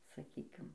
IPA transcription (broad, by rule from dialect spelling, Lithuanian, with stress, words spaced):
sɐˈkʲiːkʲɪm